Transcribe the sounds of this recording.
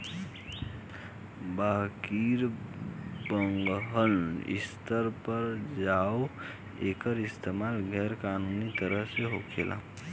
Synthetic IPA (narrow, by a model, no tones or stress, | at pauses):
bakiɾ | bəŋɡɦənḭst̪əɾpəɾd͡ʒao | eːkəɾist̪ʰemalɡʱɛɾkaːnunit̪əɾəɦseɦokʰelʔa̰